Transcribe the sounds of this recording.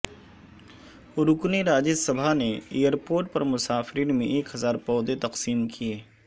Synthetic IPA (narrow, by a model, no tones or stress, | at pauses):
ʊɾʊkniɾaːd͡ʒəsɐbʱaneeːjəɾpoːɾʈ̚pɐɾmʊsaːfɾiːnmẽʔeːkɦɐzaːɾpɔːd̪et̪ɐqsiːmkʰieː